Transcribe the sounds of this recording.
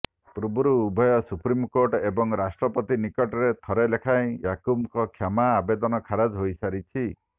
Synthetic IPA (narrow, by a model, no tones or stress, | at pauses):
pɾubuɾuːbʱɔjɔsupɾimkoɾʈebɔŋɾasʈɾɔpɔt̪inikɔʈɔɾet̪ʰɔɾelekʰaj̃jakumkɔkʰjamaːbed̪ɔnɔkʰaɾad͡ʒɦojsaɾit͡ʃʰi